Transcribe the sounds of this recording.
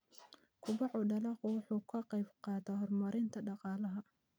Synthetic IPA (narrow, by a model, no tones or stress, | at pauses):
kʰʊbɑʕʊɖɐlɑqʊwʊħuːkʰɐqɑjbqɑːd̪ɐhɔrmɐɾɪnt̪ʰɐɖɑqɑːlɐɦɐ